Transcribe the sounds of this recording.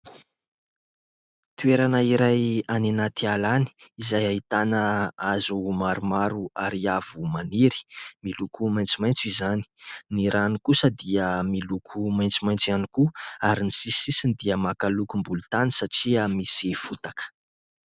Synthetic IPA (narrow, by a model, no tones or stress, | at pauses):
t̪ueɾanaiɾajanenat̪ialani̥izajait̪anəazumaɾumaɾuaɾiav̥umaniɾi̥milukʰumajnt͡simajnt͡suizani̥niɾanikusəd̪iəmilukʰumaj̃nt͡simajnt͡sianikuaɾinisisisind̪iəmakalukumbulut̪anisaʈ͡ʂiamisifut̪akə̥